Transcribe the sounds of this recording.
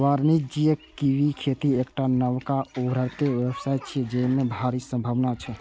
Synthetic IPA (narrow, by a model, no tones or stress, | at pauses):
ʋaɾnid͡ʒiekiikʰet̪iekʈanəwkaubɾəɾt̪eʋebsajt̪̚t͡ʃʰid͡ʒemebʱaɾisəmbʱəʋnat͡ʃʰɛ